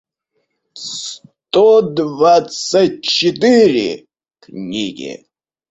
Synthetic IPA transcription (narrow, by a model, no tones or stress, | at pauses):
st̪od̪vat̪sat̚ʲt͡ʃɪt̪ɨɾʲɪ̰ | knʲiɡʲɪ̰